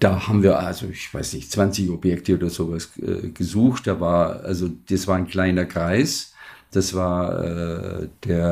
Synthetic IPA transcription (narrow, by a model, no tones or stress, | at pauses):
d̥aːhaːbm̩viːɐʔalzoɪçv̥aɪsnɪçtt͡sv̥ant͡sɪçɔbjɛktəoːdɐzoːvasʔɛ̰ːɡ̥əzuːxtd̥aːvaːɐʔalzod̥asv̥aːaɪnkl̥aɪnɐɡʁaɪsd̥asv̥aːɐɛ̰ːd̥eːɐ